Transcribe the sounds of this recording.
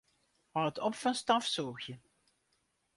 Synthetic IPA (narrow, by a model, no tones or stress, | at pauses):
mɑtɔpfɑnstɑfsɔːxjə